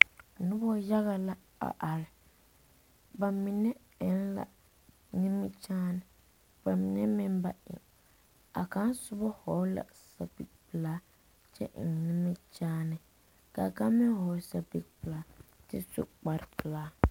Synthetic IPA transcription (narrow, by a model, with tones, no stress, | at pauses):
nʊ˦bɔ˦ja˦ɣa˨la˦ | a̰˨ʔa˨ɾɪ˨ | ba˨mi˨nɛ˦ | ɛ˨n˦la̰˨ | ni˦mi˦t͡ʃaː˦nɪ˨ | b̥a˨mi˨nɛ˦mɪ˦mba˦ɪ̰˨ | a˨ka˦nsʊ˦bɔ˦hɔ˨˦la̰˨ | sa˨bḭ˨ɡ̚pɨ˨laː˦ | t͡ʃɛ̰˦˨ni˦mi˦t͡ʃaː˦nɪ˨ | ka˨ka˦mɪ˦nhɔ˨˦sa˨bi˨k̚pɨ˨laː˦tɪ̰˦sʊ̰˦k͡pa˨ɾɪ˨pɨ˨laː˦